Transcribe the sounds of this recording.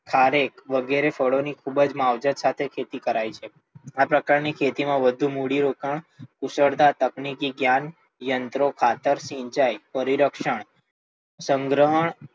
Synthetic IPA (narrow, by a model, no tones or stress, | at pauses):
kʰaɾekʋəɡeɾefəɽonikʰubəd͡ʒmaʋd͡ʒət̪sat̪ʰekʰet̪ikəɾajt͡ʃʰe | apɾəkaɾnikʰet̪imãʋəd̪ʱũmuɽiɾokəɳkusəɾd̪at̪əknikiɡjan | jənt̪ɾokʰat̪əɾsĩɲt͡ʃajpəɾiɾəkʃəɳ | sə̃ŋɡɾəɦəɳ